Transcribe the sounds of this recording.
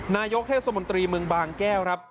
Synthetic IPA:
naː˧jo˦˥k̚t̪ʰeː˥˩t̪sa˧mo˩˦nt̪ɾiː˧mɯ˧əŋbaː˧ŋkɛː˥˩wkɾa˦˥p̚

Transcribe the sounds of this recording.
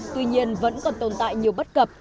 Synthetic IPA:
t̪wi˧ɲi˧ənvə̰˧˥nkɔ˨˩nt̪o˨˩nt̪a̰ː˧˨jɲi˨˩əwɓə˦˥t̚kə˨˩p̚

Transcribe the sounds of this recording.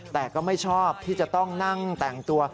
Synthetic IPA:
t̪ɛː˨˩kɔː˥˩ma˥˩jt͡ɕʰɔː˥˩p̚t̪ʰiː˥˩t͡ɕa˨˩t̪ɔ˥˩ŋna˥˩ŋt̪ɛː˨˩ŋt̪u˧ɐ

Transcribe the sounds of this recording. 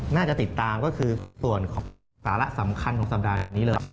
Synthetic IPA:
naː˥˩t͡ɕa˨˩t̪i˨˩t̪ːaː˧mkɔː˥˩kʰɯː˧su˨˩ənkʰɔː˩˦ŋ | saː˩˦la˦˥sa˩˦mkʰa˧nkɔː˩˦ŋsa˨˩p̚daː˧niː˦˥lɤː˧

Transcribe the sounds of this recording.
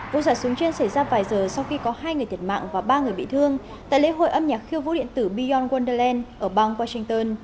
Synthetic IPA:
vṵ˧˨saː˧˩su˨˦ŋt͡ɕe˧nsa˧˩jzaː˧vaː˨˩jzəː˨˩sa˧wxi˧kɔ˨˦haː˧jŋɨ˨˩ət̪ʰt̚ma̰ː˧˨ŋvaː˨˩ɓaː˧ŋ˨˩əjɓḭ˧˨t̪ʰɨ˧əŋ | t̪a̰ː˧˨le˨˦ɦo̰˧˨ʔə˧mɲaː˨˩k̚xi˧əwvṵ˧˥ɗḭ˧˨ənt̪ɨ˧˩ɓi˧zɔ˧nɣwa˧nɗə˧lɛ˧nʔəː˧˩ɓa˧ŋwaː˧sï˧ŋt̪əː˧n

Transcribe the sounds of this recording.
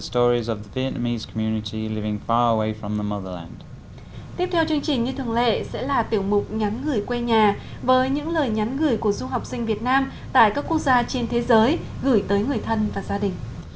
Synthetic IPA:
əstɔːɹizəvðəviɛʔnəmiz̥kʰəmjʉːnɪtʰilɪvɪ̃ŋfɑːɹəweɪfɹə̃mðəmʌðəlã̰nd̥ | t̪i˦˥əp̚t̪ʰɛ˧wt͡ɕɨ˧əŋt͡ɕï˨˩ŋ̟ɲɨ˧t̪ʰɨ˨˩əŋlḛ˧˨sɛ̰˧˥laː˨˩t̪i˧˩əwmʊ˨˩k͡p̚ɲa˨˦nɣɨ˨˩əjkwe˧ɲaː˨˩ | vəː˨˦jɲɨ̰˧˥ŋləː˨˩jɲa˨˦nɣɨ˧˩əjku˧˩əzʊ˧ɦa˨˩wk͡p̚sï˧ŋ̟vi˨˩ət̚naː˧m | t̪a̰ː˧˨jkaː˦˥kːu˦˥ək̚zaː˧t͡ɕe˧nt̪ʰe˨˦zəː˨˦j | ɣɨ˧˩jt̪əː˨˦jŋɨ˨˩əjt̪ʰə˧nvaː˨˩zaː˧ɗï˨˩ŋ̟

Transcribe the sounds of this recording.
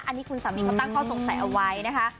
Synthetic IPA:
ʔa˧nːiː˦˥kʰu˧nsaː˩˦miː˨˩ka˧˦t̪a˥˩ŋkʰɔː˥˩so˨˩˦ŋsa˨˩˦jʔa˧wa˦˥jna˦˥kʰa˦˥

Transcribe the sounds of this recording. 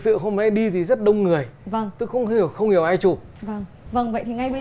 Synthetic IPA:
sɨ̰˧˨ɦo˧mmɛ̰˧˥ɗi˧t̪ʰi˨˩zə˦˥t̚ɗə˧wŋ͡mŋɨ˨˩əjvə˧˩ŋt̪ɨ˨˦xə˧wŋ͡mhi˨˩əwxə˧wŋ͡mhi˨˩əwʔaː˧jt͡ɕu˧˩və˧˩ŋ | və˧˩ŋvə̰˧˨jt̪i˨ŋa˧jɓə˧˦

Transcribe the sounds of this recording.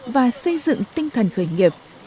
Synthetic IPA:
vaː˨˩sə˧jzɨ̰˧˨ŋt̪ï˧ŋt̪ʰə˨˩nxəː˧˩jŋi˨˩əp̚

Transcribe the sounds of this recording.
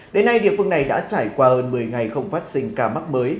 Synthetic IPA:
ɗe˨˦nːa˧jɗḭ˧˨əfɨ˧əŋna˨˩jɗa̰ː˧˥t͡ɕaː˧˩jkwaː˧həː˧nmɨ˨˩əjŋa˨˩jxə˧wŋ͡mfaː˦˥t̚sï˧ŋ̟kaː˧˩ma˦˥məː˨˦j

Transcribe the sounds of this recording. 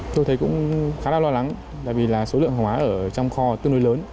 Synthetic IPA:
t̪o˧jt̪ʰə˨˦jkʊ̰˧˥ŋ͡mxaː˨˦naː˧˩wlɔː˧la˨˦ŋ | t̪a̰ː˧˨vi˨˩laː˨˩so˨˦lɨ̰˧əŋɦwʔaː˨˦ʔəː˧˩t͡ɕɔ˧wŋ͡mxɔ˧t̪i˧˨ŋno˧jləː˨˦n

